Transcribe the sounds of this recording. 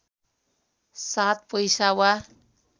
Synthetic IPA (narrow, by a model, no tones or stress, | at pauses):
sat̪̚pʌjsawa